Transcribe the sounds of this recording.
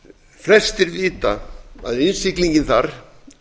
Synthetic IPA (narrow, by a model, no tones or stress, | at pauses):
fɾɛst̪ɪɾviːt̪a̰a̰ðɪnsɪkliɲcɪnθaɾ̥